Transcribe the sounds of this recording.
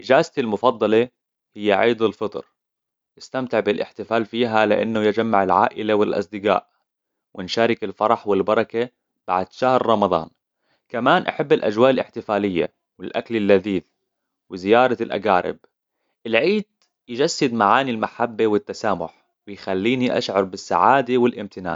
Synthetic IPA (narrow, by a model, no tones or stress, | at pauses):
ʔɪd͡ʒaːzt̪ilmʊfɑd̪ˤːɑle | hɪjːaʕiːd̪ˤɪlfɨt̪ˤɾ | ʔɪst̪amt̪ɪʕbɪlʔɪ̰ħt̪ɪfaːlfiːɦalɪ̰ʔa̰nːʊjɪd͡ʒamːaʕɪlʕa̰ːʔɪlawɪlʔɑ̰sˤd̪ɪɡa̰ːʔ | wʔɪnʃaːɾɪkɪlfɑɾˤɑħwɪlbɑɾˤɑka | b̥aʕd̪ʃahɾːˤɑmɑðˤɑ̰ːn | kamaːnʔa̰ħabːɪlʔa̰d͡ʒwaːʔɪlʔɪħt̪ɪfaːlɪjːa̰ | wɪlʔaklɪlːaðiːθ | wɪzɪjɑːɾˤɑlʔa̰ɡaːɾɪ̰b̚ | ʔɪlʕiːd̪̚ | jd͡ʒasːɪd̪maʕaːnilmaħabːawɪt̪ːasaːmʊ̰ħ | wɪjxalːiːniʔa̰ʃʕɑɾˤbɪsːa̰ʕaːd̪awɪlʔɪmt̪ɪna̰ːn